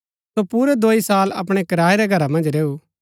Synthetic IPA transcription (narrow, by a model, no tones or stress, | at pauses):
sopuːɾɛd̪oːisaːlɐ̰pɽ̃ɛkɐɾaːeɾɛɡʱɐɾamɐ̃nd͡ʒɾeːuː